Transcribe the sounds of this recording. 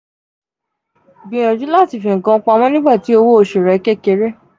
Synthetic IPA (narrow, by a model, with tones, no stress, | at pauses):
bĩ˧j̃ɔ̃˧˨d͡ʒũ˦la˦˨ti˨fĩ˧ŋ̩˨kã˧˦k͡pa˧mɔ̃˦nĩ˦ɡ͡ba˦˨ti˨˦o˧wo˦o˧ʃe˨ɾɛ˨˦ke˦˨ke˧ɾe˦